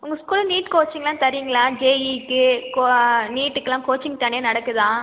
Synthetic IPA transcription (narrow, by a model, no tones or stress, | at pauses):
ʊŋɡɐskuːlniːʈkoːt͡ʃːɪŋɡɐlãːt̪ɐɾɪjŋɡɐlaːd͡ʒeːikːɯkoniːʈːɯkːɯlãːkoːt͡ʃːɪŋɡt̪ɐɳejenɐɽɐkːɯðãː